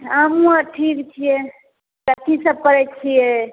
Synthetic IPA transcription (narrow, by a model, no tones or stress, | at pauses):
əmũaʈʰikt͡ʃʰije | kət̪ʰisəb̚pəɾɛt͡ʃʰije